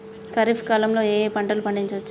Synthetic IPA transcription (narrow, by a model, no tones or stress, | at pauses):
kɐɾifʰkaːlɐmlo̞ːeːpɐɳʈɐlupɐɳɖiɲt͡ʃɐt͡ʃː